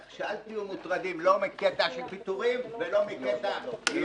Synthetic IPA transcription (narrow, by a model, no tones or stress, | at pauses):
ʃalt̪iumut̪ʁad̪imlomiket̪aʃelpit̪uʁimvelo̞miket̪aʃe